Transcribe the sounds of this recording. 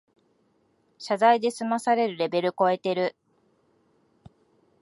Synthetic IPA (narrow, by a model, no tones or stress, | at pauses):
ɕazaid̪e̞sɨmasaɾe̞ɾɯ̟ɾe̞be̞ɾɯ̟ko̞e̞t̪e̞ɾɯ